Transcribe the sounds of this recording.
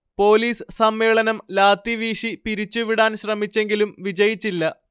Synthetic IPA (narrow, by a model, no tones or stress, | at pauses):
po̞ːliːssɐmːe̞ːɭɐnɐmlaːt̪ːiʋiːʂipiɾit͡ɕːuʋiɽaːnɕrɐmit͡ɕːe̞ŋɡilumʋid͡ʑɐjit͡ɕːilːɐ